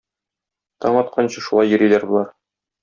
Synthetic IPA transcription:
t̪ɒɴɒt̪̚qʰɑnɕɤʃulˠɑjːɘ̆ɾilæɾbŭlˠɑɾ

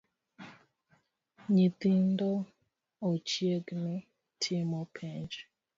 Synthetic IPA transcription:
ɲit̪indɔ | ot͡ʃjeɡnɪ | tʰɪmɔpʰeɲd͡ʒ

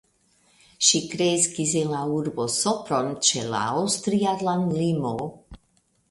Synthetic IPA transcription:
ʃikɾejskizɛlauɾbosɔpɾont͡ʃɛla̰awst̪ɾijad̪lanlimo

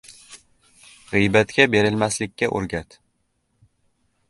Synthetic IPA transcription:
ʁɨjbat̪kʲabe̞ɾɪlmaslɪkʲːaʔo̰ɾɡʲat̪

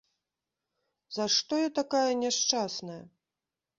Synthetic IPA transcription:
zaʂt̪ɔjɐt̪akajɐnʲɛʂt͡ʂasnɐjɐ̰

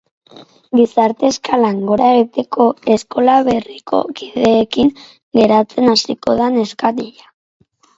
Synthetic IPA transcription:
ɡisaɾt̪e̞skalaŋɡo̞ɾaeɣit̪e̞kʰo̞e̞sko̞laβe̞rikʰo̞̰kiðe̞ːkiŋ | ɡe̞ɾat͡se̞nasiko̞ðane̞skat̪iʎa

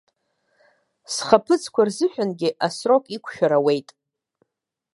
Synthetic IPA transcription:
sχapʰɨt͡sʰʼkʷʰarzɨħʷᶣanɡʲɪʔasro̞kʼikʷʰʃᶣaɾawe̞jtʼ

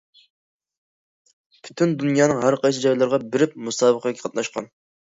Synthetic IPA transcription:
ppʰy̥t̪ʰynd̪unjɑːnɨŋɦæɾqʰɑjsʰɨd͡ʒɑjlˠɨɾʁɑbɪɾɪp̚musɑːbəqəkʲi̥qʰɑt̪nɑʃqɑ̰n

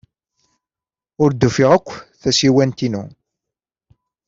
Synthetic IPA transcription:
ʊɾd̪ːufiʁækʷːθæsiwænt̪inṵ

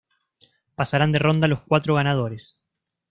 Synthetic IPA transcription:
pasaɾand̪e̞ro̞nd̪aloskwat̪ɾoɣ̞anað̞o̞ɾes

